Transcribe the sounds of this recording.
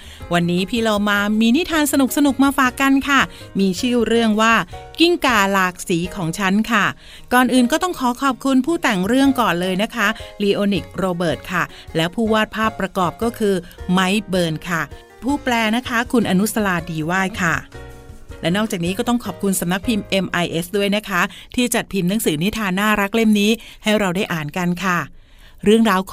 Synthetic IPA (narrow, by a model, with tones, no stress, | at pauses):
wa˧nːiː˦˥pʰiː˧˩loː˧maː˧miː˧ni˦˥t̪ʰaː˧nsa˧nu˨˩k̚sa˧nu˨˩k̚maː˧faː˨˩kːa˧nkʰa˥˩ | miː˧t͡ɕʰɯː˥˩ɾɯ˥˩əŋwaː˥˩ki˥˩ŋkaː˨˩laː˨˩k̚siː˩˦kʰɔː˩˦ŋt͡ɕʰa˦˥nkʰa˥˩ | kɔː˨˩nʔɯː˨˩nkɔː˥˩t̪ɔ˥˩ŋkʰɔː˨˦kʰɔː˨˩p̚kʰu˧npʰuː˥˩t̪ɛ˨˩ŋɾɯ˥˩əŋkɔː˨˩nlɤː˧jna˦˥kʰa˦˥liː˧ʔoː˧ni˨˩k̚ɾoː˧bɤː˨˩t̪̚kʰa˥˩ | lɛː˦˥wpʰuː˥˩waː˥˩t̪̚pʰaː˥˩pːɾa˧kɔː˨˩p̚kɔː˥˩kʰɯː˧ma˦˥jbɤː˧nkʰa˥˩ | pʰuː˥˩plɛː˧na˦˥kʰa˦˥kʰu˧nʔa˧nu˦˥sa˧laː˧diː˧waː˥˩jkʰa˥˩ | lɛ˦˥wnɔː˥˩k̚t͡ɕa˨˩k̚niː˦˥kɔː˥˩t̪ɔ˥˩ŋkʰɔː˨˩p̚kʰu˧nsa˨˩˦mna˦˥k̚pʰi˧mʔe˧mʔa˧jʔe˦˥sdu˥˩əjna˦˥kʰa˦˥ | t̪ʰiː˥˩t͡ɕa˨˩t̪̚pʰi˧mna˧˦˥ŋsɯː˩˦ni˦˥t̪ʰaː˧nːaː˥˩ɾa˦˥k̚le˥˩mniː˦˥ha˥˩jɾa˧wda˥˩jʔaː˨˩nka˧nkʰa˥˩ | ɾɯ˥˩əŋɾaː˧wkʰ